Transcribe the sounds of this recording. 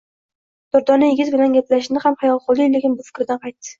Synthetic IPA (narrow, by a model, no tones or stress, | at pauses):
d̪̥ɒɾd̪ɒnɪjeɡʲɪzbɪlanɡʲap̪laʃɪnɪχamχajɒlˠqolˠːijlekʲɪnbʊfɪ̥kʲɾɪd̪anqʰɑjt̪ːɪ̥